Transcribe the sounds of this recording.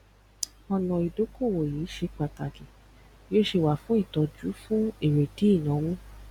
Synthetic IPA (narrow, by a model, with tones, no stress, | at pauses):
ɔ˧nɔ̃˧i˨do˨˦ko˦˨wo˨jiː˨˦ʃe˧k͡pa˨ta˨ki˨ | jo˦ʃe˧˨wa˨fũ˦i˦˨tɔ˧d͡ʒu˨˦fũ˦e˦˨ɾe˨ti˨˦i˦˨nã˨˦wũ˦